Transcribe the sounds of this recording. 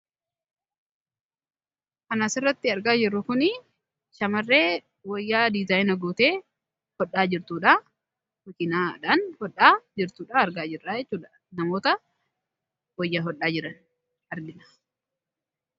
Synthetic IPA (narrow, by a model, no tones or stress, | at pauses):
ʔɐnaːsɪrːɐt̪ːɪɐɾɡaːd͡ʒɪrːʊkʊnɪ | ʃɐmɐrːe̞ː | wɐjːaːd̪ɪzaːjnɐɡuːt̪e̞ː | hɔᶑːaːd͡ʒɪɾt̪uːᶑa | mɐkɪnaːᶑanhɔɗːaːd͡ʒɪɾt̪uːᶑaɐɾɡaːd͡ʒɪrːaːd͡ʒɛt͡ʃt͡ʃːuːᶑɐ | nɐmo̞ːt̪ɐ | wɔjːaɦɔɗːaːd͡ʒɪɾɐn | ɐɾɡɪnɐ̥